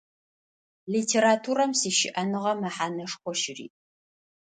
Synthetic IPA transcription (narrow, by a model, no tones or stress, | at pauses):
liːtʰeːɾatʰuɾɐmsiːʃɪ̰ʔɐnɨʁɐmɐħaːnɐʂχʷɔʃɪrḭː